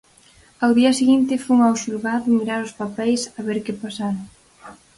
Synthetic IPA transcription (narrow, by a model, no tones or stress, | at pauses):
awðiɐseɣint̪ɪfuŋawʃulɣaðʊmiɾaɾʊspapɛjsaβeɾkɪpasaɾ